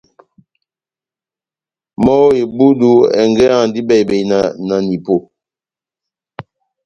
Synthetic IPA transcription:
mɔ˦je˨bu˦du˦ɛ̰˨ŋɡɛ˦a˦˨n˦di˦bɛ˨jbe˨i˨na˨na˨ni˨po˨

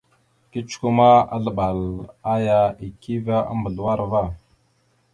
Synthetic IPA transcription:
ki˦t͡ʃku˨ma˦a̰˦ɮə˨ɓa˨la˦ja˦i˨kʰi˦va˦ʔa̰˦mbə˨ɮwa˦ɾva˦˨

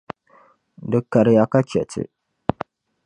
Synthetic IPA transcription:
dɨ˨kːa˨ɾja˨ka˦kʲɛ˨tɪ̰˨

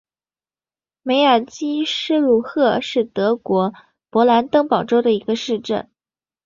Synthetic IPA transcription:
me˧˥ɪə˞˨˩t͡ɕi˥ʂɻ̩˥˧lu˥˧xɤ˥˧ʂɻ̩˥˩t̪ɤ˧˥kwɔ˧˥ | pwɔ˧˥la˧˥nt̪ɤ˥ŋpɑ˨˩ʊʈ͡ʂo˥ʊɾə˨i˧˥ɡə˧ʂɻ̩˥˧ʈ͡ʂə̰˥˩n

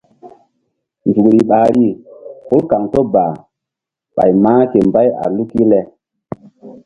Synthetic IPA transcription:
nzu˨kɾi˨ɓa˨ɾi˦ku˦lka˨ŋto˦ba˨ | ɓa̰˨jmãː˦ke˨mba˦ja̰˨lu˦ki˦lɛ˨

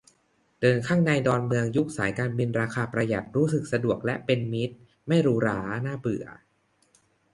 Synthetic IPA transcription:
d̥ɤː˧nkʰaː˥˩ŋna˧jdɔː˧nmɯ˧əŋju˦˥k̚sa̰ː˩˦jkaː˧nbi˧nɾaː˧kʰaː˧pɾa˧ja̰˨˩t̪̚ɾuː˦˥sɯ˨˩k̚sa˧du˨˩ək̚lɛ˦˥ʔpe˧nmi˦˥t̪̚ | ma˥˩jɾuː˨˦˥ɾaː˦naː˥˩bɯ˨˩ə

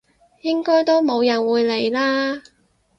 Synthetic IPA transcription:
jɪ˥ŋkɔː˥jt̪o˥wmo˨˧wjɐ˨˩nwuː˨˧jle˨˩jlaː˥

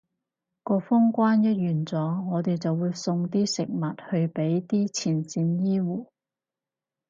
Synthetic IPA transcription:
kɔː˧fʊ˥ŋkʷwaː˥njɐ˥t̚jyː˨˩nt͡sɔː˨˧ŋɔː˨˧t̪e˨jt͡sɐ˨wːuː˨˧jsʊ˧ŋt̪̬iː˥sɪ˨k̚mɐ˨t̚hɵ˧ɥpe˨˥jt̪iː˥t͡sʰiː˨˩nt͡siː˧njiː˥wuː˨˩

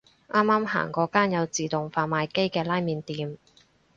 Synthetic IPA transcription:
ʔaː˥mːaː˥mɦa̰ː˨˩ŋkɔː˧kaː˥njɐ˨˧wt͡siː˨t̪ʊ˨ŋfaː˧nmaː˧jke˥jkɛː˧laː˥jmiː˧nt̪iː˨˧m

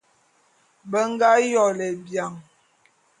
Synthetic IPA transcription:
bə˦ŋ˦ɡa˦jɔ˨lɛ˨bja˨ŋ

